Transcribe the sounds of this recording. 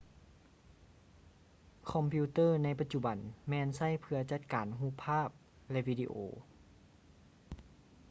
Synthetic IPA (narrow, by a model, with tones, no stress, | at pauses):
kʰɔ˧˥mpʰiː˧t̪ɤː˥˩˨na˧˥jp̬a˧t̪̚t͡ɕu˧ba˨˩nmɛː˧˥nsa˥˩jpʰɯ˧ɐt͡ɕa˧˥˩t̪̚kaː˨nɦuː˧˥˨pʰːaː˥˩p̚ | lɛ˧ʔʋiː˧dḭ˧˨ʔoː˩